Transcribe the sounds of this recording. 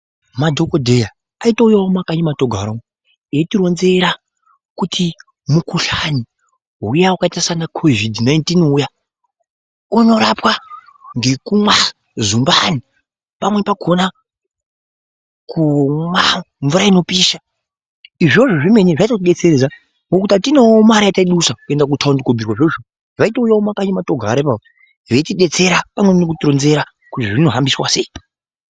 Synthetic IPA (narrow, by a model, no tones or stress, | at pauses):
madʱo̞kodʱe̞ja | aitaujawomakaɲimatoɡʱaɾawo | etiɾo̞nze̞ɾa | kutʰi | mukuɬani | ɦujaukaitasanakʰovidnaintinuja | uno̞ɾapwa | ŋɡe̞kumwa | zumbani | pamwe̞paɡʰʱo̞na | kʰuma | ɱvuɾaino̞piːʃa | iʐo̞ʐoʐime̞ɲeʐaitat̬iɗe̞t͡seɾed͡za | ŋokutatinemaɾajataiɗusakue̞ndak̬utʰaundikobirwaʐeʐo | ʐaitaujaumakaɲematoɡʱaɾaipapo | ʐetiɗe̞t͡se̞ɾapamwemnokutronze̞ɾa | kutiʐino̞ɦambiswasei